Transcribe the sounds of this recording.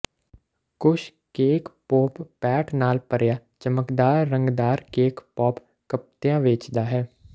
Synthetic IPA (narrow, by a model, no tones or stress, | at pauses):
kʊʃ | keːkpoːppɛːʈnaːlpəɾjaːt͡ʃəməkd̪aːɾːə̃ŋɡd̪aːɾkeːkpɔːp | kəp̚t̪jãːʋɪt͡ʃd̪aːɦɛː